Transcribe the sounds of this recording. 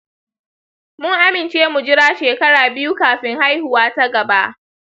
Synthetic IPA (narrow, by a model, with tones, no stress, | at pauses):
mʊ˦ŋʔa˦mɪ˨nt͡ʃeː˦mu˨d͡ʒɪ˦ɽaː˦ʃeː˨kɐ˦ɽaː˨bɪ˦ju˦kaː˨ɸɪ˦ŋha˦jhʊ˨waː˦ta˦ɡɐ˨ba˦ʔ